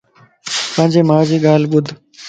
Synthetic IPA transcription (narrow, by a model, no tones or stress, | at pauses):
pə̃ɦɪ̃ɲd͡ʑeːmãːd͡ʑiːɡaːlɓʊd̪ʱ